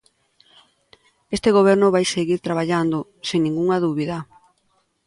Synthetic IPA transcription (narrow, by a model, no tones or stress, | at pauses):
est̪eɣoβ̞ɛɾnʊβajseɣiɾt̪ɾaβaʎand̪ʊ | seŋnĩŋɡuŋaðuβiðɐ